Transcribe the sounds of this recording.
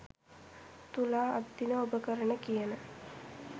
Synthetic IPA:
t̪ula̰ːd̪ːinəobəkəɾəɳəkijənə

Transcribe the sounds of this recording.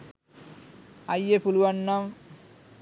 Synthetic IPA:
ajepuluwanːam

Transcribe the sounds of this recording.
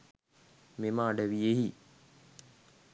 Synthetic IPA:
memaːɖəʋieɦi

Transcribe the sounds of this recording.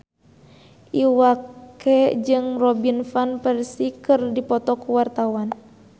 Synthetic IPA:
ʔiwakkɛd͡ʒɨŋrɔbinfanpɛrsikɨrdipɔt̪ɔkuwart̪awan

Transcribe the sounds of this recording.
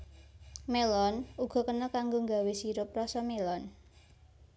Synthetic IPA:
melɔnuɡ̥ɔ̤kənɔkaŋɡoŋɡa̤wesiɾʊp̚rɔsɔmelɔn

